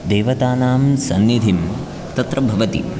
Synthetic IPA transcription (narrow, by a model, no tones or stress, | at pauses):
d̪eːʋɐt̪aːnaːmsɐnːid̪ʱim | t̪ɐt̪ɾɐbʱɐʋɐt̪ḭ